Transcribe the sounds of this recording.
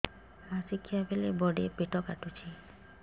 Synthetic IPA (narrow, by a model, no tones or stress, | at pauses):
asikʰiabelebɔɖepeʈɔkaʈut͡ʃʰi